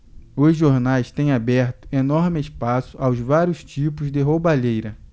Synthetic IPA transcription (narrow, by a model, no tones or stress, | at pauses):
ʊzʒoɾnajst̪ẽj̃abɛɾt̪ʊ̥enɔɾmɪɪspasʊʔawzvaɾjʊst͡ʃipʊzd̪ɪɦobaʎejɾɐ